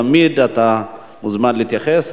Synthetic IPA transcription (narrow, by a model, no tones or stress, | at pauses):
amid̪at̪a | muzmanliːt̪jaχes